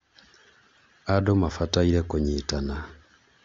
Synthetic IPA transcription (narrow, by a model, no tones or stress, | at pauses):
adomafataiɾɛkoɲeːtana